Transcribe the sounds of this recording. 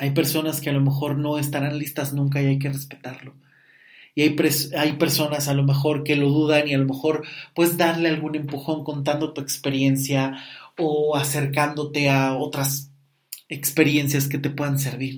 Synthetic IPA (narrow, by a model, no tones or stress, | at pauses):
ajpe̞ɾso̞naske̞alo̞me̞xo̞ɾno̞e̞st̪aɾanlist̪aznũŋk̬aiajk̬ere̞spe̞̥t̪aɾlo̞ | iajpɾesajpe̞ɾso̞nasalo̞mexo̞ɾke̞lo̞ðuðanialo̞me̞xo̞ɾpwe̞ðezðaɾle̞alɣune̞mpuxo̞ŋko̞nt̪and̪o̞t̪ue̞kspe̞ɾje̞nsjaoase̞ɾkand̪o̞t̪e̞aot̪ɾas | ekspe̞ɾje̞nsjaske̞t̪e̞pwe̞ðans̬e̞ɾβ̞iɾ